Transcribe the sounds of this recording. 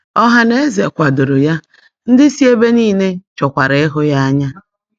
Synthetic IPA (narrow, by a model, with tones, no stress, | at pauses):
ɔ˦ɦa˦ne˦ze˨kʷa˨dʊ˨ɾʊ˨ja˦ | n̩˦dɪ˦si˦e˦be˦niː˦˨ne˦t͡ʃɔ˨kʷa˨ɾe˨ɪ˦ɦʊ˦ja˦a˦ɲa˦